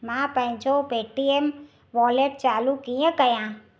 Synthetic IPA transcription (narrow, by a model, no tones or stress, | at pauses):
mãːpə̃ɦd͡ʒopeːʈiem | ʋɔːleʈ̚t͡ʃaːlukijẽkəjãː